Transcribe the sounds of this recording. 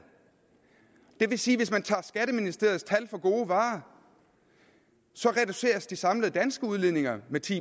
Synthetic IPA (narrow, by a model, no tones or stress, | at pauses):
d̥e̝ʋe̝siːʋe̝s̬mænt͡sʰɑ̈ːsɡ̥æɾ̥əminisd̥e̝̰ɐð̩ˠst͡sʰælfɒ̽ɡ̥o̝ːʋɑ̈ː | sɒ̽ʁɛd̥use̝̰ːɐsd̥isɑ̈mləð̞̩ˠd̥ænsɡ̥əuð̞ˠleðˠne̝ŋɐmet͡sʰḭː